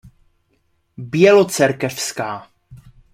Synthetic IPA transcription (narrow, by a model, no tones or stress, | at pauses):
bjɛlot͡sɛɾkɛfskaː